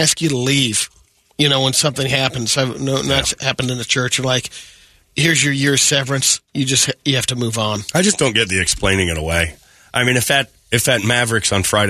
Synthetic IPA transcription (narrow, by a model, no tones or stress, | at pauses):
æskjɨɾəliv̥ | jɨñoʊwə̃nsʌ̃mθɪ̃ŋɦæpɨ̃n̩z̥anoʊnɨtshæpndɨ̃nðɨt͡ʃʰɜ˞t͡ʃə˞laɪk | hɪɹzjə˞jɪɹsɛvɨ̃nsjɨd͡ʒʌst̚hjɨhæftɨmuvn̩aɪd͡ʒʌsd̥õʊ̃nɡɛt̪̚ðiɨksplẽɪ̃nɪ̃ŋɨ̃ñə̰weɪ | ʔaɪmĩnɨfðɨɾ̚ | ɨfðɨt̚mævɹɨksn̩fɹaɪɾ